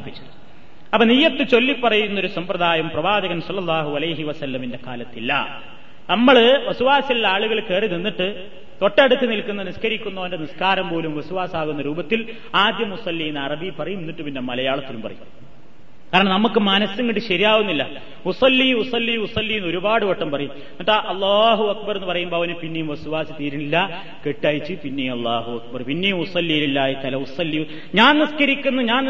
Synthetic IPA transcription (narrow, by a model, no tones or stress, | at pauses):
pːit͡ɕːuðɨ | ɐpːɐnijːɐt̪ːɨt͡ɕo̞lːipːɐrɐjunːo̞ɾusɐmprɐðaːjɐmprɐʋaːd͡ʑɐɣɐnsɐlːɐlˠːaːɦuɐlɐjɦiʋɐsɐlːɐminde̞ka̰ːlɐt̪ːilːɐ̰ | nɐmːɐɭʋɐsuʋaːsilːaːɭuɣɐɭke̞ːrininːiʈːɨ | t̪o̞ʈːɐɽut̪ːɨnilkːunːɐniskɐɾikʲːunːɐːɐndeniskaːɾɐmpo̞ːlumʋɐsuʋaːsaːɣunːɐɾuːbɐt̪ːil | aːd̪jɐmusɐlːijnɐrɐbipːɐrɐjumenːiʈːɨpinːemːɐlɐjaːɭɐt̪ːilumpɐrɐ̰jum | kaːɾɐɳɐmnɐmukːɨmɐnɐsɐŋːiʈːɨɕɐɾijaːʋunːilːɐ | usɐlːiusɐlːijusɐlːijnːo̞ɾubaːɽɨʋoʈːɐmpɐrɐjum | ɐʈːaʔɐlˠːaːɦuɐkbɐrenːɨpɐrɐjumboɐʋɐnupinːejumʋɐsuʋaːsɨt̪iːɾiɳilːɐ | ke̞ʈːaːjit͡ɕːɨpinːejumɐlˠːaːɦuɐk̚bɐrpinːejumusɐlːijililːaːjit̪ɐlɐusɐlːi | ɲaːnniskɐɾikʲːunːɐɲaːn